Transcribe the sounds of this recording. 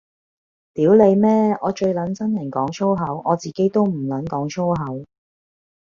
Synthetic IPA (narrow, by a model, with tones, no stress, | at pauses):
t̪iː˨˥wle˨˧jmɛː˥ɔː˨˧t͡ʃɵ˧ɥlɐ˨˥nt͡sɐ˥njɐ˨˩nkɔː˨˥ŋt͡sʰo˥wɦɐ˨˥wʔɔː˨˧t͡siː˨˩ke˨˥jt̪o˥wm̩˨˩lɐ˨˥nkɔː˨˥ŋt͡ʃʰo˥wɦɐ˨˥w